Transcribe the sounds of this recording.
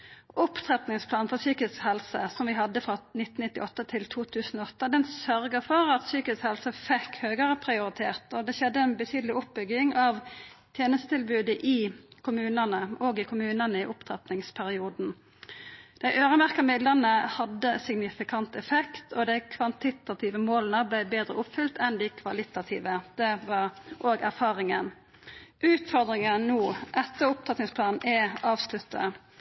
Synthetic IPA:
ʔʊpt̪ʰʁɛt̪nɪŋspʰlɑːnfɔsyːkəshɛlsəsɔmʋɪhɑd̪ːəfʁɑnɪt̪ːn̩ɪt̪ːɪʔɔt̪ːət̪ʰɪlt̪ʰuːt̪ʰʉːsn̩oɔt̪ːəd̪ɛnsœɾɡəfɔɾɑt̪syːkəshɛlsəfɛkːhøːɡəʁəpʰɾɪʊɾɪt̪ʰeːʁt̪ɔd̪ɛʃɛd̪ːəɛnbət̪ʰyːd̪əlɪʊp̚bʏɡɪŋɑʋ | t̪ʰjeːnəst̪ət̪ʰɪlbʉːd̪əʔɪkʰʊmʉːnənəɔɡɪkʰʊmʉːnənəɪʔʊpt̪ʰʁɛ̰t̪nɪŋspʰæɾɪuːd̪n̩ | d̪̥æɪʔøːɾəmæʁkɑmɪd̪lənəhɑd̪ːəsɪɡnɪfɪkʰɑnt̪ɛfɛkt̪ʰɔd̪æɪkʰʋɑnt̪ɪt̪ɑt̪ʰɪːʋəmoːlənəblæɪbeːd̪ɾəʊpːfʏlt̪ʰɛnd̪ɪkʰʋɑlɪt̪ɑt̪ʰḭːʋəd̪̥ɛʋɑʁʔoːɡæɾfɑːɾɪŋən | ʔʉːt̪fɔʁd̪ɾɪŋənnuːʔɛt̪ːəʊp̚t̪ʰʁɛt̪nɪŋspʰlɑːnn̩ʔɛɑːʋslʉt̪ːə̰

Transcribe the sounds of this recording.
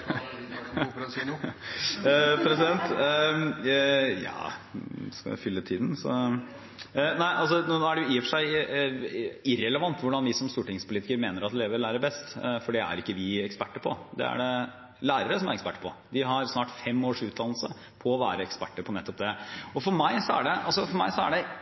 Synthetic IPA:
pʰɾɛsɪd̪ɛnt̪ | jɑ̰ː | skɑ̰ʋɪ̰fʏlːət̪ʰiːd̪n̩sɔ̰ | næɪʔɑls̬ɔnnoːæɖɛjʊjɪfəʂæɪ | ɪɾɛləʋɑnt̪ʋʊɖɑnʋɪsɔmst̪uːʈɪŋspʰʊliːt̪ɪkəɾmeːnəɾɑt̪leːʋəɾlæːɾəɾbɛst̪fɔɖɛæ̰ɾɪkːəʋɪɛkspæʈːəɾpʰɔ̰d̪ɛ̰æ̰ɖɛ | læːɾəɾəsɔmæɾɛkspæʈːəpʰɔd̪ɪɦɑɾsnɑːʈfɛmːoːʂʉːt̪̚d̪ɑnlsə | pʰɔːʋæːɾəɛkspæ̰ʈːəɾpʰɔnɛt̪ːɔp̚d̪ɛɔfɔɾmæɪsɔæ̰ɖɛʔɑlsɔfɔɾmæ̰ɪsɔæ̰ɖɛ

